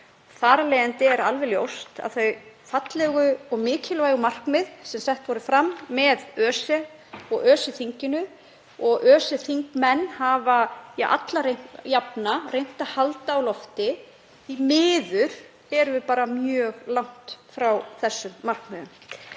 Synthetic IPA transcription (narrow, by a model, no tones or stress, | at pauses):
θaːɾalɛjant̪ɪɛɾalvɛljo̰wst̪a̰ðθœɥfat̪lɛɣʏɔɣmɪːcʰɪlvaːjɣʏmar̥kmɪðsɛmsɛht̪vɔɾɪfɾamːɛðœːsɛ | ɔɣœːsɪθiɲcɪnʏ | ɔɣʔœːsɛθiŋkmɛnːhaːvajʔa̰t̪larejapnarejn̥t̪ahalt̪aːwlɔft̪ɪ | imɪːðʏɾ̥ | ɛɾʏvɪpaːɾamjœːɣlawŋ̥t̪fɾawθɛsːʏmːar̥kmɛːðʏm